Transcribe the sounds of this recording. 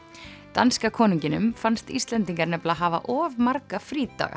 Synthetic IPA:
t̪a̰nskakʰɔːniɲcɪnʏ̰mfanst̪ḭst̪lɛnt̪iŋkaɾnɛplaːɦaːva̰ʔɔːvmaɾkafɾiːt̪a̰ːɣa̰

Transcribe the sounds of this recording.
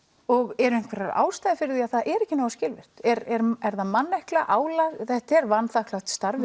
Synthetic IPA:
ɔɣɛɾʏɪŋ̥kʰvɛɾaɾa̰ːwst̪ajðɪfɪɾɪɾθiaðθaðʔɛɾɛhcːɪnaːwascɪlvɪr̥t̪ɛɾɛɾɛɾθamanːɛhklaʔaːwlaɣθɛht̪ɛɾvanθahklawt̪st̪aɾvɪ

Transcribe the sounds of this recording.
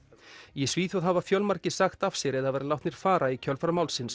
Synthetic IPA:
jɛsviːθjawðɦavafjœlmaɾ̥cɪsaxt̪afsɛɾɛðaðvɛɾɪlawht̪nɪɾ̥faːɾaicʰœlfɾamawlsɪns

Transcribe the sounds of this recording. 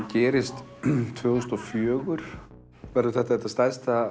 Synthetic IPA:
cɛːɾɪst̪t̪ʰvœːɣʏst̪ɔfjœːɣʏɾ̥ | vɛɾðʏθɛht̪ːaɛt̪ːast̪ajst̪θa

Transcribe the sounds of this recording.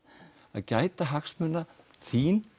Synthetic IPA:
a̰ðcaːjt̪aɦaxsmʏnːa | θʰiːn

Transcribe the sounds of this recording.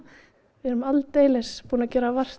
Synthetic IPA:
vɪɛɾʏmalt̪eːjlɛspuːnacɛːɾavar̥t̪

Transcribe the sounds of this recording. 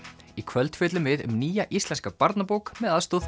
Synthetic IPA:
ikʰvœlt̪fɪːt̪lʏmvɪðʏ̰mniːjaʔist̪lɛnskapaɾt̪napowkmɛðaðst̪oð

